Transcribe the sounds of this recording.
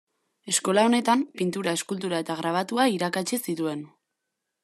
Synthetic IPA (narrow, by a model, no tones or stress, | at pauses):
e̞sko̞lao̞ne̞t̪ampint̪uɾae̞skult̪̬uɾae̞t̪aɣ̞ɾaβ̞at̪uaiɾakat͡ʃisit̪ue̞n